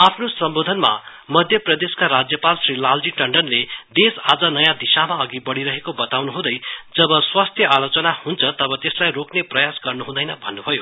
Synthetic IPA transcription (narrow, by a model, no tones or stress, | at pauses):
apʰnosʌmbod̪ʱʌnma̰ | mʌd̪ʱjʌprʌd̪eskaɾad͡zjʌpalsrilald͡ziʈʌɳɖʌnled̪esa̰d͡zʌnʌjãd̪isamaʌɡibʌɽiɾʌɦekobʌt̪awnuɦũd̪ʌjd͡zʌbʌswast̪ʰjʌʔalot͡sʌnahunt͡sʰʌt̪ʌbʌt̪eslajrokneprʌjasɡʌrnuɦũd̪ʌjnʌbʱʌ̰nːubʱʌjo